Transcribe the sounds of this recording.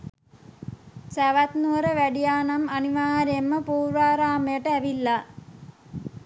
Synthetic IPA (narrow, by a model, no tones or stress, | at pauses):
sæʋat̪nuəɾəʋæɖijaːnamɐniʋaːɾjemːəpuːɾʋaːɾaːməjəʈəæʋilːa